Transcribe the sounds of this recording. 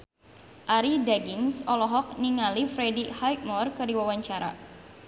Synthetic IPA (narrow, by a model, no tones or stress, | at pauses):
ʔaɾidaɡɪŋsɔlɔɦɔk̚niŋalifɾɛdihajk̚mɔrkɨrdiwawaɲt͡ʃaɾa̰